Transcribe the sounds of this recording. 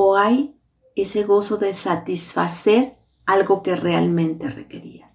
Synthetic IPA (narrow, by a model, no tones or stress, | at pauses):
oaj | e̞se̞ɣo̞so̞ðe̞sat̪isfase̞ɾ | alɣo̞ke̞realmẽ̞nt̪e̞re̞̰ke̞ɾḭas